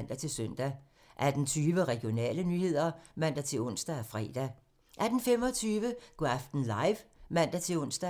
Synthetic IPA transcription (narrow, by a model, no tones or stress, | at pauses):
n̰d̥æt͡sʰe̝lsøn̰d̥æ | ʔæd̥n̩t͡sʰyːʋəʁɛɡ̥ijo̝nɛ̰ːlənyːhe̝ð̞̰ˠɐmæn̰d̥æt͡sʰe̝ɔ̽n̰sd̥æfʁɛ̰ːd̥æ | ʔæd̥n̩fem̰ɒ̽t͡sʰyːʋəɡ̥ɑfd̥n̩lɑ̈ɪʋmæn̰d̥æt͡sʰe̝ɔ̽n̰sd̥æ